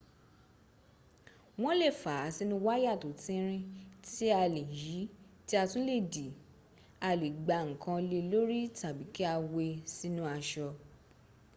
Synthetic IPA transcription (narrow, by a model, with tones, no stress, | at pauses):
w̃ɔ̃˦le˦˨fa˨˦si˦nĩ˦wa˦ja˦˨to˨tĩ˦ɾ̃ĩ˧ti˦a˧le˨ji˨˦ti˦a˧tũ˦le˦˨di˨ | a˧le˨ɡ͡ba˨˧ŋ̩˨kã˧le˧lo˦ɾi˦ta˨bi˨˦ki˦a˧we˧si˦nũ˦a˧ʃɔ˧